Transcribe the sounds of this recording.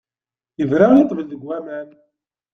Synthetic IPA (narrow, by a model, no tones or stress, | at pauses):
jəvɾait̪ˤːvəlðəɡʷːæmæn